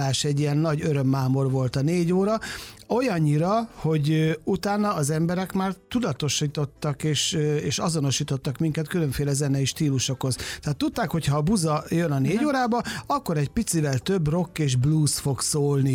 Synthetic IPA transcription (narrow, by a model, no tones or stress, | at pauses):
aːʃɛɟːiɛnːɒɟøɾø̞mːaːmo̞rʋo̞lt̪ɒneːɟoːɾɒo̞jɒɲːiɾɒho̞ɟut̪aːnːɒːzɛmbɛɾɛkmaːrt̪ud̪ɒt̪o̞ʃiːt̪o̞t̪ːɒkeːʃøeːʃɒzo̞no̞ʃiːt̪o̞t̪ːɒkmiŋkɛt̪kylø̞ɱfeːlɛzɛnɛiʃt̪iːluʃo̞kho̞zt̪ɛat̪ːut̪ːaːkho̞cʰhɒːbuzɒjønɒneːɟoːɾaːbɒɒkːo̞ɾɛɟpit̪sivɛlt̪ø̞bro̞kːeːʒbluːsfo̞ɡsoːlni